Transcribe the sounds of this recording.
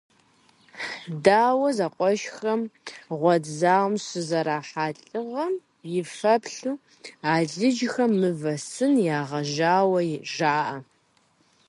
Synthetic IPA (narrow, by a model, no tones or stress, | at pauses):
ħdaːwɐzaqʷʼɔʃxɐmʁʷɔzaːwmsɨzɐɾaːħaːɬʼɨʁɐm | jɪfɐpʰɬuː | aːɮɨd͡ʒxɐmmːɨvɐsɨnjaːʁɐʒaːwɐjʒaːʔɐ